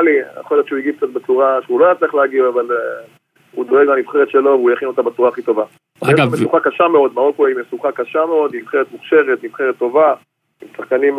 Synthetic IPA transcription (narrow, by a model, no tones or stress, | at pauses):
lḭa̰χoljott͡ʃeuiɡik̚t͡sat̪̚bet͡suʁaʃeulojat͡sleχleaɡiaval | ud̪o̞eɡlamivχeʁet̪ʃe̞lo̞veujaχino̞t̪abet͡suʁaːχit̪o̞va | emesuχakaʃameo̞d̪maʁo̞koimesuχakaʃame̞o̞d̪imivχeʁet̪muχʃe̞ʁet̪mivχe̞ʁet̪ːo̞va | imsaχkanim